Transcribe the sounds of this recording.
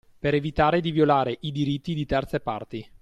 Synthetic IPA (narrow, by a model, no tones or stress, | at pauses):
peɾevit̪aːɾed̪ivjolaːɾeʔid̪iɾit̪ːid̪it̪ɛrt̪sepa̰rt̪i